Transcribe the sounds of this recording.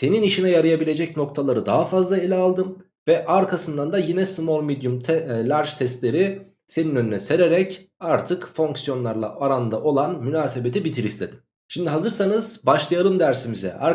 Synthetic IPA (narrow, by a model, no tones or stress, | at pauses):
se̞niniʃinɛjaɾɯjabilʲe̞d͡ʒɛcno̞kt̪ʰalˠaɾɯd̪aɦafazlˠaelʲalˠd̪ɯm | vɛʔaɾkʰasɯnd̪and̪ajinɛsɯmolʲˠmid̪jumt̪ʰɛlʲaɾt͡ʃt̪ʰɛst̪lʲe̞ɾi | se̞ninø̞nynɛse̞ɾe̞ɾɛcaɾt̪ʰɯkfo̞ŋksjo̞nlˠaɾlˠa̰ʔaɾand̪aʔo̞lˠanmynaːse̞be̞t̪ʰibit̪ʰiɾist̪ʰe̞d̪̥im | ʃimd̪iɦazɯɾsanɯz̥baʃlˠajalˠɯmd̪æɾsimizɛ̰a